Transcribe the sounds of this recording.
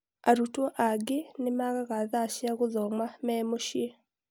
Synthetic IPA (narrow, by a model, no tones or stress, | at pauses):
aɾutwɔʔaɡenemaɣaɣaðaʃiaɣoðɔmamɛmoʃie